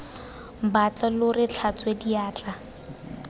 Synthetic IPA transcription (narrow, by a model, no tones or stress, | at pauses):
bat͡ɬʼalʊrɪt͡ɬʰat͡sʼwediaːt͡ɬʼa